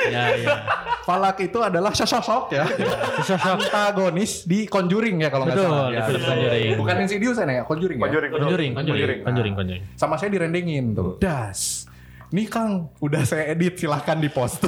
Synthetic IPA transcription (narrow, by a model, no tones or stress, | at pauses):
ja | falakit̪uadalahʃɔʃɔʃɔkjaʃɔnt̪aɡonɪsdikoɲd͡ʒuɾɪŋjakaloŋbəɡat̪jɔɲd͡ʒuɾɪbukaninsidius̬ajnajakɔɲd͡ʒuɾɪŋjad͡ʒuɾɪŋd͡ʒuɾɪŋkɔd͡ʒud͡ʒuɾɪŋɔɲd͡ʒuɾɪŋkɔɲd͡ʒuɾɪŋsamasajadiɾɛndɛŋɪnt̪ṵdas | nikaŋudahsajaedɪt̪̚silahkandipɔst̪